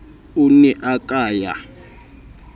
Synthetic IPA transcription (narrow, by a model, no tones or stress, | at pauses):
unɛʔakʼaːja̰